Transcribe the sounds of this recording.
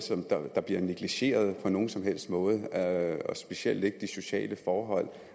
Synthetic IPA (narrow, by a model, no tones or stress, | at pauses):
sɒ̽md̥ɑd̥ɑ̈b̥liɐniɡ̥liɕe̝̰ːɐð̞ˠpʰɒ̽no̝ːn̩sɒ̽mɦel̰sd̥mɔ̽ːð̞̩ˠɒsb̥e̝siel̰d̥e̝ɡ̥əd̥iso̝ɕɛ̰ːləfɒːɦɒ̽l̰